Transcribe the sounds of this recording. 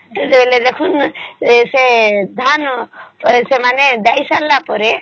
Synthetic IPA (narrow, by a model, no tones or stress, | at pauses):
d͡ʒebeled̪ekʰun | sed̪ʱan | semaned̪ajsalːapɔɾe